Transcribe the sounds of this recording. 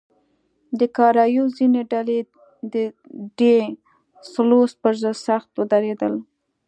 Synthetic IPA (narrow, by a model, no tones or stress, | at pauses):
d̪əkɑɾɑjozineɖale | d̪ə | ɖe | slospəɾzəd̪saxt̪wəd̪aɾed̪əl